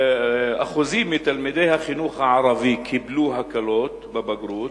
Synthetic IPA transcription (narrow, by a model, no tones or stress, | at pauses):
ʔa̰xʊziːmːit̪almid̪ejhaxɪnuːxaʕɑɾˤɑvikʰɪbluːɦakaloːt̪bɪbaɡɾuːt̪